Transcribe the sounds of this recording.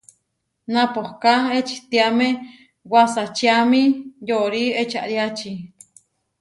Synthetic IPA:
nãpohkaet͡ʃi̥t̪iame | wasat͡ʃiamĩjoʔɾiet͡ʃʰa̰ʔɾjat͡ʃi

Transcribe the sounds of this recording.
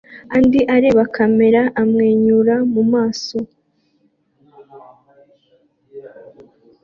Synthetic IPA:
andiʔaɾe̞βakame̞ɾaʔːmŋe̞ːɲuɾamumaːso̞

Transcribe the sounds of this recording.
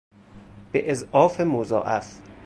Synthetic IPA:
b̥eʔezʔɒːfemozɒ̰ːʔæf

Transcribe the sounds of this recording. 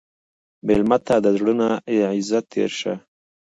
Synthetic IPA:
belmat̪ʰaːd̪azɽunaeʕɪzat̪ːḛɾʃa̰

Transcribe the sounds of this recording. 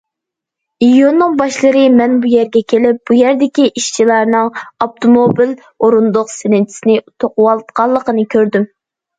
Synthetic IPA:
ijonnːɨŋbɑʃlˠəɾɨmɛnbujæɾɡʲɛkʲʰelɪp̚b̥ujæɾd̪ɪkʲiʔiʃt͡ʃʰilˠɑɾnɨŋɑp̚t̪ʰomobil | oɾund̪ʊqsenɪnt͡ʃʰɪ̥sɪnɪt̪ʰoqʊwɑlˠt̪qɑlˠːəqənɨkʲʰøɾd̪ym

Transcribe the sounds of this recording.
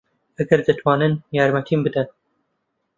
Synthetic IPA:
ɐɡɐɾd̪ɨt̪ʰwɑːnɨnjɑːɾmɐt̪ʰiːmbɨd̪ɐn

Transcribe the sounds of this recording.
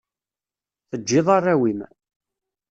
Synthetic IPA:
θəd͡ʒːɪðˤɑrːawim

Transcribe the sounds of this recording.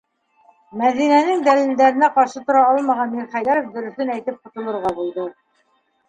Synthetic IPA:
mæðinænɘŋd̪ælild̪æɾɘ̆næqɑɾʃɤt̪ŏɾɑɑlˠmɑʁɑnmiɾχæjdæɾofd̪ɵ̆ɾɵ̆θɵnæjt̪ɘp̚qŏt̪ɤ̆lˠɤ̆ɾʁɑbulˠd̪ɤ

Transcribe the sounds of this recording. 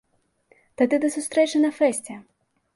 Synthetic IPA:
t̪ad̪ɨd̪ɐsust̪ɾɛt͡ʂɨnɐfɛsʲt͡sʲɛ

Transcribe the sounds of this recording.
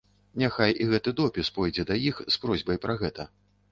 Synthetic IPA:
nʲaxajiɣɛt̪ɨd̪ɔpʲispɔjd͡zʲɛd̪ɐjixspɾɔzʲbɐjpɾɐɣɛt̪ɐ

